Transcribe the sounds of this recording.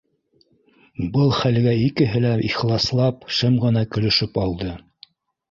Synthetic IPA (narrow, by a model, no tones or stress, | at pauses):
bɤlˠχælɡæikɘ̆ɦɘlæiχlˠɑslˠɑpʃɘmʁɤ̆nɑkɵ̆lɵ̆ʃɵpɑlˠd̪ɤ